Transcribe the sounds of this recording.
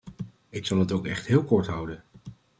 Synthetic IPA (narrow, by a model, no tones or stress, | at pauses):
ɪksɑlˠətowkɛ̰χtɦɪːlˠkɔɹtɦʌwdən